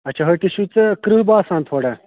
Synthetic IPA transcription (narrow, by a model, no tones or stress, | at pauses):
ɐt͡ʃʰɐɦɐʈiɕut͡sɐkɾuɦbaːsãːnt̪ʰoːɽɐ